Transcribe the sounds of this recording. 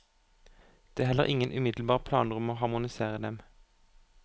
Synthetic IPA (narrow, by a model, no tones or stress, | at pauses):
d̪̥eɦɛlːə̰ʁʔɪŋənʔʉmɪd̪l̩bɑːʁpʰlɑ̰ːnʁʉmoːhɑʁmʊnɪseːʁəd̪ɛm